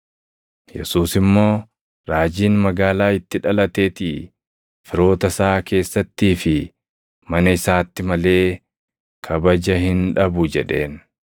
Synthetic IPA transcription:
jɛ̰suːsɪmːo̞ː | ɾaːd͡ʒiːnmɐɡaːlaːɪt̪ːɪᶑɐlɐt̪e̞ːt̪ɪː | fɪɾo̞ːt̪ɐsaːke̞ːsːɐt̪ːiːfɪ | mɐnɐɪsaːt̪ːɪmɐle̞ː | kʰɐbɐd͡ʒɐhɪnᶑɐbʊd͡ʒɛᶑe̞ːn

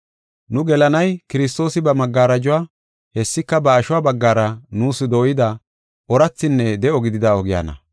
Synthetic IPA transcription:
nʊɡɛlɐnɐjkɪɾɪs̬t̪o̞ːsɪbɐmɐɡːaːɾɐd͡ʒʊwaː | hɛsːɪkːɐbɐːʃʊwaːbɐɡːaːɾɐnuːsɪd̪o̞ːjɪd̪ɐ | ɔɾɐt͡sːɪnːɛd̪ɛɔɡɪd̪ɪd̪ɐɔɡɪja̰ːnɐ̰

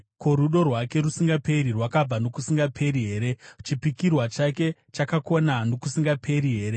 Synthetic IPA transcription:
ko̞ɾuɗo̞rwake̞rusiŋɡape̞ɾirwakab͡vano̞kusiŋɡapʰe̞ɾiɦe̞ːɾe̞t͡ʃipikirwat͡ʃake̞t͡ʃakako̞nano̞kusiŋɡapʰe̞ɾiɦe̞ːɾe

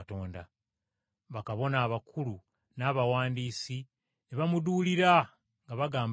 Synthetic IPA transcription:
to̞ːnda | βakaβo̞naːβakʰulu | naːβawaːndiːsi | neβamuduːliɾa | ŋɡaβaɡaːm

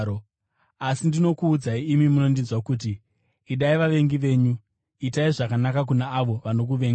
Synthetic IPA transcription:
o | asindino̞kuːd͡zaiimimuno̞ndinzwakut̬iː | ɗaiʋaʋe̞ŋɡiʋe̞ːɲu | itaiʐakanakak̬unaːʋo̞ʋano̞k̬uʋe̞ːŋɡ

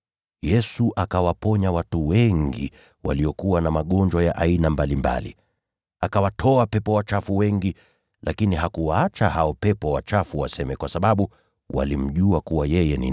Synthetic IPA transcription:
jɛsuʔakawapɔɲawatuwɛŋɡḭ | wʔa̰liɔkuwanamaɠɔnd͡ʒwajaʔainambalimba̰li | akawatʰɔapɛpɔwat͡ʃafuwɛŋɡi | lʔakiniɦakuwaat͡ʃahaɔpɛpɔwat͡ʃafuwasɛmɛkwasaɓaɓu | wa̰lim̩ʄuakuwajɛjɛnḭ

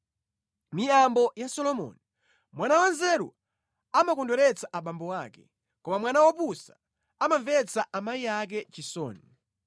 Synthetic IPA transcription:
mijambɔjasɔlɔmɔ̰ni | mwanawanzɛɾṵ | amakɔndɔɾɛt͡saʔaɓambɔwaːkɛ | kɔmamwanawap̬usa | amaɱvɛt͡saʔamajijak̬ɛt͡ʃisɔ̰ːni

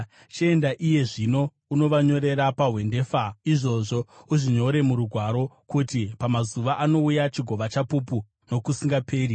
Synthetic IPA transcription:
t͡ʃie̞ndaʔije̞ʐino̞ | uno̞ʋaɲo̞ɾe̞ɾapaɦwe̞nde̞ːfaiʐo̞ʐo̞uʐiɲo̞ɾe̞muɾuɡʱwaɾo̞kutipamazuʋaʔano̞ujat͡ʃiɡʱo̞ʋat͡ʃapupu | no̞kusiŋɡapʰe̞ːɾi

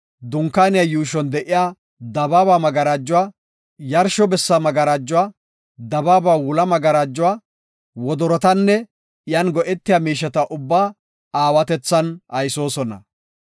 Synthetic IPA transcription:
d̪ʊŋkːaːnɪjajuːʃ̬ɔnd̪ɛʔɪjaː | d̪ɐbaːbaːmɐɡɐɾaːd͡ʒːʊwaː | jɐɾʃɔbɛsːɐmɐɡɐɾaːd͡ʒːʊwaː | d̪ɐbaːbaːwʊlɐmɐɡɐɾaːd͡ʒːʊwaː | wɔd̪ɔɾɔt̪ɐnːɛ | ɪjanɡɔʔɛt̪ːɪjaːmiːʃːɐt̪ɐʔʊbːaː | aːwɐt̪ɛt͡sːɐnɐjso̞ːsɔnɐ̰

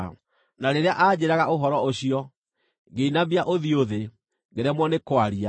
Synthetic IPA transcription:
naɾeɾeaʔad͡ʑeɾaɣaoɦɔɾɔoɕiɔ | ŋɡeinabiaʔoðioðe | ŋɡeɾɛmwɔnekwaɾia

